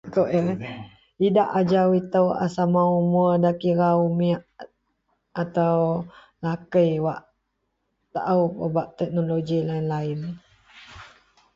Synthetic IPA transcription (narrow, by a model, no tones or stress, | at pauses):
koʔ | idaʔad͡ʒawit̪əwa̰samaumuədakiɾaumiaʔ | at̪aw | lakəjwaʔ | t̪a̰ʔupəbaʔt̪ɛk̚noloɡilainlaɪn